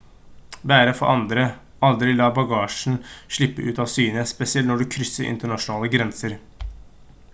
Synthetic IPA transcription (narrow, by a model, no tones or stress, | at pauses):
bæːɾəfɔ̰ʔɑnd̪ɾə | ɑld̪ɾɪlɑːbɑɡɑːʂɳ̩ʂɭɪpːəʔʉːt̪ɑːʋsyːnəspɛsɪɛlt̪nɔɖʉkʰɾʏsːəɾʔɪ̰nt̪əɳɑʂʊnɑːləɡɾɛnsəɾ